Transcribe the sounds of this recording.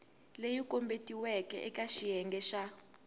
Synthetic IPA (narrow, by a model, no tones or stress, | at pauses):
lejikʼombetʼiwɛkʼɛ̰ʔɛkʼaʃijɛŋɡɛʃa